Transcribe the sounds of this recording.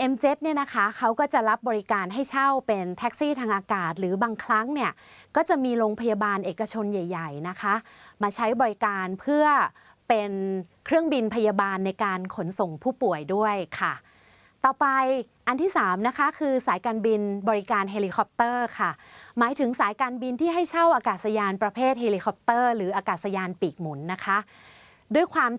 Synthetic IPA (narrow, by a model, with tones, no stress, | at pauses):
ʔe˧mt͡ɕe˦˥t̪̚ni˥˩ɐna˦˥kʰa˦˥kʰa˦˥wkɔː˥˩t͡ɕa˨˩ɾa˦˥p̚bɔː˧ɾi˦kaː˧nɦa˥˩jt͡ɕʰa˥˩wpe˧nt̪ʰɛ˦˥k̚siː˥˩t̪ʰaː˧ŋʔaː˧kaː˨˩t̪̚ɾɯː˩˦baː˧ŋkʰɾa˦˥ŋni˥˩ɐkɔː˥˩t͡ɕa˨˩miː˧ɾoː˧ŋpʰa˧ja˧baː˧nʔeː˨˩kːa˧t͡ɕʰo˧nja˨˩jːa˨˩jna˦˥kʰa˦˥ʔmaː˧t͡ɕʰa˦˥jbɔː˧ɾi˦˥kaː˧npʰɯ˥˩ɐ | pe˧nkʰɾɯ˥˩əŋbi˧npʰa˧ja˧baː˧nːa˧jkaː˧nkʰo˩˦nso˨˩ŋpʰuː˥˩pu˨˩əjdu˥˩əjkʰa˥˩ | t̪ɔː˨˩pa˧j | ʔa˧nt̪ʰiː˥˩saː˩˦mna˦˥kʰa˦˥kʰɯː˧saː˩˦jkaː˧nbi˧nbɔː˧ɾi˦˥kaː˧nɦe˧liː˧kʰɔ˧˦˥p̚t̪ɤː˥˩kʰa˥˩maː˩˦jt̪ʰɯ˩˦ŋsaː˨˩˦jkaː˧nbi˧nt̪ʰiː˥˩ɦa˥˩jt͡ɕʰa˥˩wʔaː˧kaː˨˩t̪̚sa˧jaː˧npɾa˧pʰeː˥˩t̪̚heː˧liː˧kʰɔ˧˥p̚t̪ɤː˥˩ɾɯː˩˦ʔaː˧kaː˨˩sa˧jaː˧npiː˨˩k̚mu˩˦nːa˦˥kʰa˦˥ʔ | du˥˩əjkʰwaː˧m